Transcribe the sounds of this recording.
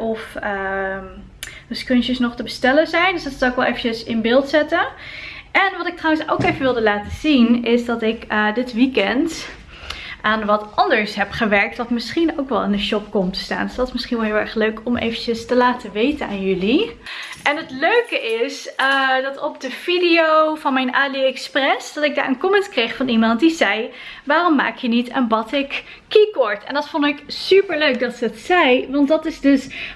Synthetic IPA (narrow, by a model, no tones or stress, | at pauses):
ʔɔfə | əskønt͡ʃəsnɔχtəbəstɛləzɛjndøsdɑtsɑwɪkʋɛlˠejvənt͡ʃəsɪnbɪːlˠtsɛtə | ɛnʋɑtɪk̚trawənso̰wkejvənʋɪlˠdəlaːtəz̥inɪsdɑtɪkədɪtʋikɛnt | ʔaːnʋɑtɑndəɹsɦɛpχəʋɛɹk̚tʋɑtmɪsχinowkʋɛlˠɪndəʃɔp̚kɔmtə̥sta̰ːndəsdɑtɪsmɪsχinʋɛlˠɦɪːlˠɛ̰ɹχløɥkɔmʔḛjvəncəstəlaːtəʋejtənaːnjɵliʔɛnɦətløɥkəʔɪsdɑtɔp̚dəv̥idiowvɑnmɛjnʔaːdiɛksprɛsdɑtɪɡ̚da̰ːɹənkɔmɛntkrejχfɑnimɑntdizɛj | ʋaːrɔmːa̰ːkjənitə̰nbɑtɪkː | ikɔɹtɛ̰ndɑtfɔndɪksypəɹløɥk̚dɑtsəətsɛjʋɑntdɑtɪzdɵs